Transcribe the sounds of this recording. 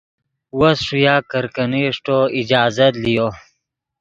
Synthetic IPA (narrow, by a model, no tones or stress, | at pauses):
wɐsʂujaːkəɾkəniʂʈoid͡ʑaːzɐt̪lijo